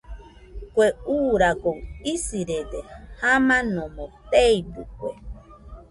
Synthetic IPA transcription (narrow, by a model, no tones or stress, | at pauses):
kʷeuːɾakoisiɾed̪ehamãnõmõt̪eidṵkʷe